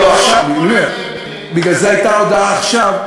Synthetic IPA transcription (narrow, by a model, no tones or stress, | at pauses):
oaχʃavbie | biɡlalzeajt̪aod̪aaːχʃav